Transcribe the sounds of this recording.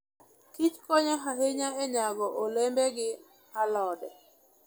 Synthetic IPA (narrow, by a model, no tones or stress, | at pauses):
kit͡ʃkɔɲaɦaɦeɲaɛɲaɡɔʔolɛmbɛɡɪ | alɔdɛ̰